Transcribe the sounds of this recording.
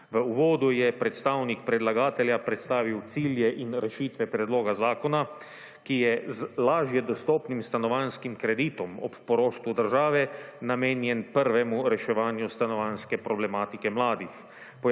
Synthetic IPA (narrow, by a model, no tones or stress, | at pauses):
ʋəuʋɔːd̪ujɛpɾɛt̪st̪aːwnikpɾɛd̪laɡaːt̪ɛljapɾɛt̪st̪aːʋiwt̪siːljɛʔinɾɛʃiːt̪ʋɛpɾɛd̪loːɡazaːkɔna | kijɛzlaːʒjɛd̪ɔst̪ɔːpnimst̪anɔʋanskimkɾɛd̪iːt̪ɔmɔppɔɾoːʃt̪ʋud̪əɾʒaːʋɛnameːnjɛnpəɾʋɛmuɾɛʃɛʋaːnjust̪anɔʋanskɛpɾɔblɛmaːt̪ikɛmlaːd̪ix | pɔ